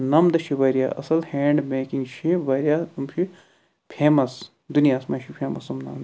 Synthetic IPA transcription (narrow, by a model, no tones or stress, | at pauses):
nɐmd̪ɐʃʰiʋɐɾja̰ːʔɐ̰sɐlheːɳɖmeːkiŋɡʃʰiʋɐɾijaːt̪umʃʰi | pʰeːmɐs | d̪unijaːsmɐʃʰipʰeːmɐsɐmnɐ̰md̪